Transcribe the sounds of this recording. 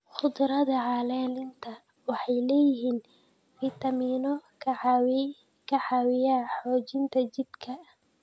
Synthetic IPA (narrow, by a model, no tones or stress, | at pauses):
χʊd̪ɾɐðɐʕɑlɛːlɪnt̪ʰɐ | wɑħɑjlɛːjɪɦiːn | fiːt̪ɐmiːnɔkʰw | kʰɐħɑwɪjaːħɔːt͡ʃɪnt̪ʰɐt͡ʃɪbkʰɐ